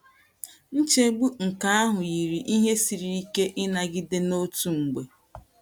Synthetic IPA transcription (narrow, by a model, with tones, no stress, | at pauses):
n̩˦t͡ʃe˦ɡ͡bu˦ŋ̩˨ka˦a˦ɦʊ˨ji˨ɾi˨ʔi˦ɦe˦si˨ɾi˨i˦ke˦ʔɪ˦na˨ɡɪ˦de˦no˦tu˦ŋ͡m̩˨ɡ͡be˨